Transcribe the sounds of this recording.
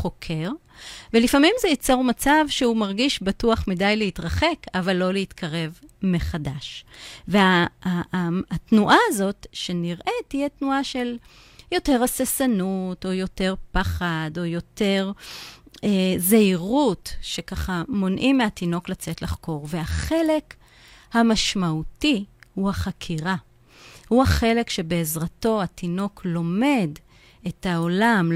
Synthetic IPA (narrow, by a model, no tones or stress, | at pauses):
χo̞kʰe̞ʁ | velifamimzejit͡so̞ʁmat͡savʃeumaʁɡiʃbatuaχmidajleitʁaχe̞kavalːo̞leitkʰaʁe̞vmeχadaʃvea | tnuʔaːzo̞tʃe̞niʁʔe̞tijetnuaʃel | jo̞te̞ʁasesanuto̞jo̞te̞ʁpaχado̞jo̞te̞ʁ | ezeiʁutʃe̞kaχamo̞nʔimeatino̞klat͡setlaχko̞ʁveaχe̞le̞k | hamaʃmautihuhaχakʰiʁa | huaχe̞le̞kʃe̞be̞ezʁato̞atino̞klo̞me̞d | etao̞lam